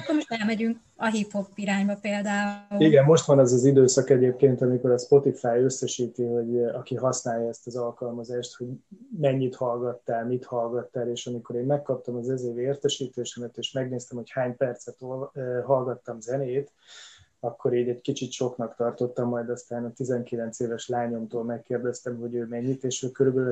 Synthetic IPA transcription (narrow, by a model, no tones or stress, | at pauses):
kːomoʃt̪ɛlmɛɟyŋk | ɒɦipho̞biɾaːɲbɒpeːld̪aːuːiɡɛmːo̞ʃt̪ʋɒnɛzɒzid̪øːsɒkɛɟeːp̚keːnt̪ɒmiko̞ɾɒspo̞t̪ifaːjøsːɛʃiːt̪iho̞ɟɒkiɦɒsnaːjɒɛst̪ɒzɒlkɒlmɒzaːʃt̪ho̞ɟmɛɲːit̪hɒlɡɒt̪ːaːlmit̪hɒlɡɒt̪ːaːleːʃɒmiko̞ɾeːmmɛkːɒp̚t̪ɒmɒzɛzeːveːrt̪ɛʃiːt̪eːʃɛmɛt̪eːʃmɛɡneːst̪ɛmhochaːɲpɛrt̪sɛt̪olɦɒlɡɒt̪ːɒmzɛneːt̪ | ɒkːo̞ɾiːɟɛɟkit͡ʃit̪ʃo̞knɒkt̪ɒrt̪o̞t̪ːɒmːɒjd̪ɒst̪aːnɒt̪izɛŋkilɛnt̪seːvɛʃlaːɲo̞mt̪oːlmɛkːeːrd̪ɛst̪ɛmɦo̞ɟøːmɛɲːit̪eːʃøkøɾybɛl